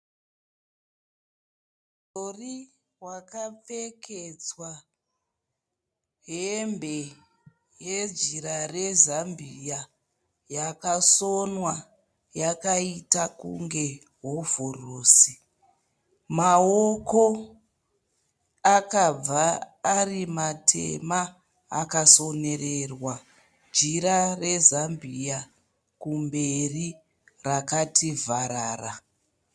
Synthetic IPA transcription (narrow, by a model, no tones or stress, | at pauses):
tori | wakap͡feked͡zwa | ɦembʱe | jed͡ʒiɾarezambija | jakasonwa | jakaitakṵŋɡe̞ | ɦovoroːsi | maoko | akab͡vaːrimatʰḛmaː | kaso̞nererwa | d͡ʒiɾare̞zambija | kumberi | rakativaɾaːra